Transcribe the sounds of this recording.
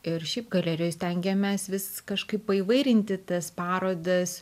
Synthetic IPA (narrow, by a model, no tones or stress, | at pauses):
ɪrʃʲɛɪp̚ɡɐlʲæːɾʲɪjoːjsʲt̪ʲɛŋʲɡʲɛmʲɛsʋʲɪskɐʃkɐɪppɐiːʋɐɪɾʲɪnʲt̪ʲɪt̪ɐspɑːɾoːd̪ɐs